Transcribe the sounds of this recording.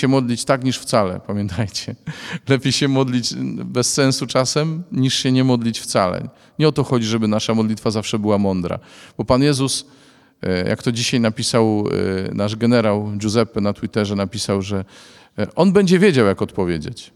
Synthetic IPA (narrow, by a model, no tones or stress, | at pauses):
ɛmɔd̪lʲit͡ɕt̪akɲiʂft̪salɛ̰pamʲjɛnt̪ʰajt͡ɕɛlɛpʲjejɕɛmɔd̪lʲit͡ɕbɛsːɛ̃nsut͡ʂasɛmɲiʂɕɛɲɛmɔd̪lʲit͡ɕft̪salɛ̰ | ɲɛɔt̪ɔxɔd͡ʑiʐɛbɘnaʂamɔd̪lʲit̪fazafʂɛbɘwamɔnd̪ɾa̰b̥ɔpanjɛzus | ja̰kt̪ɔd͡ʑiɕajnapʲisawnaʐɡɛnɛɾawd͡ʑuzɛpɛnat̪wit̪ɛʐɛnapʲisawʐɛ | ʔɔnbɛɲd͡ʑɛvʲjed͡ʑawjakɔt̪pɔvʲjed͡ʑet͡ɕ